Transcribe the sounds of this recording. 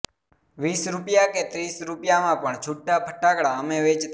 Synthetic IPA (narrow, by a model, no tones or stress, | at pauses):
ʋisɾupjaket̪ɾisɾupjamãpəɳt͡ʃʰuʈːapʰəʈːakɽaəmẽʋet͡ʃt̪